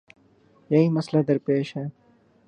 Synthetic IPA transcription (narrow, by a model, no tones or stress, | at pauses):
jɐɦiːməslaːd̪əɾpeːʃɦɛː